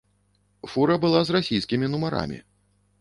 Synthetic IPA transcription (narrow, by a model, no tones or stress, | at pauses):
fuɾɐbɨlˠazrasʲijskʲimʲinumaɾa̰mʲḭ